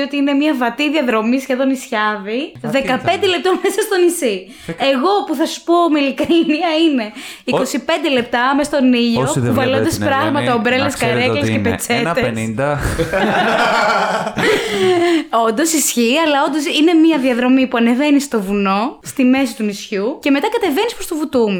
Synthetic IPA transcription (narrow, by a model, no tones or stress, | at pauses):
o̞t̪iine̞miɐvɐt̪iðiɐðɾo̞misçe̞ðo̞nisçɐðiðekɐpe̞nd̪ele̞p̚t̪omesɐst̪o̞nisi | eɣo̞puθɐsu̥po̞ːmilikɐiniɐine̞iko̞sipe̞nd̪ele̞p̚t̪ɐmest̪o̞niʎopuvɐlond̪ɐspɾɐɣmɐt̪ɐobɾeleskɐɾeklescepet͡set̪ed̪ | ond̪osisçiɐlɐo̞nd̪o̞sine̞miɐðiɐðɾo̞mipuɐne̞ve̞nist̪o̞vuno̞st̪ime̞sit̪unisçuce̞me̞t̪ɐkɐt̪e̞venispɾost̪ovut̪umu